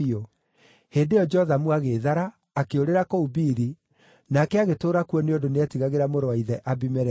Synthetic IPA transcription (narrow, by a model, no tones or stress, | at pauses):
o | heːndeɔd͡ʒɛhɔðamwaɣeðaɾaː | keoɾeɾakoubiːɾi | nakɛaɣetoːɾakuɔneondoneatiɣaɣeɾamoɾowaiðɛʔabimɛɾɛ